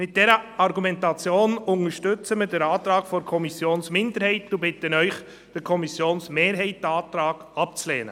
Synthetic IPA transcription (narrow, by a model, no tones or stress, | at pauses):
mɪt̚d̥ɛɾəɑɾɡumɛntɑt͡sjoːnʊŋəɾʃtʏt͡səmədəɾɑːt̪ɾɑːɡ̥fɔɾkʰɔmisjoːnsmɪndəɾhɛɪtdubɪtːənœʏχ | d̥ɪɾkʰɔmisjoːnsmeːɾɦɛɪt̚dɑːt̪ɾɑːɡ̥ɑp̚t͡slɛːnə